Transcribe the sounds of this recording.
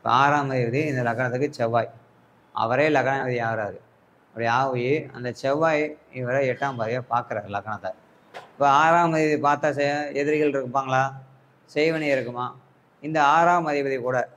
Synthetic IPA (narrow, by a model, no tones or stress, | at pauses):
pːaːɾaːmɐðɪpɐðiɪnd̪ɐlɐkːɐɳɐt̪ːɯkːɯt͡ʃɛʋːaːj | ɐ̰ʋɐɾeːlɐkːɐɳɐɐðiaːɾaːðɯ | ɐpːɐɽɪjɐaːʋɐjɯɐ̰nd̪ɐt͡ʃɛʋːaːjɪʋɐɾɐɛʈːaːmpaːðɪjapaːɾkɯɾaːɾlɐkːɐɳɐt̪ːa | ɪpːoːaːɾaːʋmɐðɪpɐðipaːɾt̪aːsɛɛðɪɾɣɐɭɪɾɯkːɯpːaːŋɡɐɭaː | sɛjʋɐnɐɪɾɯkːɯmaː | ɪnd̪ɐaːɾaːmɐðɪbɐðikuːɽɐ